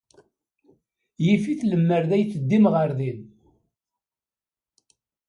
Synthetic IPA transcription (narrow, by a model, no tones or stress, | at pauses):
jifiθləmːəɾðæjt͡sːəd̪ːimʁəɾðin